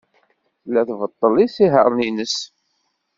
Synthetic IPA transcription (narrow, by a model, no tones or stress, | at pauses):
lːæθvət̪ˤːəlisiɦəɾˤninəs